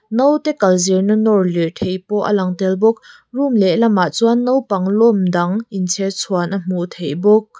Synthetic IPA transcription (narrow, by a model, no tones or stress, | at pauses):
nowt̪ɛkɐlziɹnənɔɹlit̪ʰejpɔʔə̰lɐŋt̪ɛlbʊk̚ | rumlɛlɐmːaʔt͡suanːowpɐŋlɔmdɐŋʔint͡sʰɛt͡sʰuanʔəm̥ut̪ʰejbʊk̚